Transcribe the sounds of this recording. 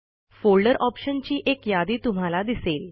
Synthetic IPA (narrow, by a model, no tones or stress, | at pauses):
folɖəɾʔɔpɕənt͡ɕiːʔekjad̪iːt̪um̤alad̪isel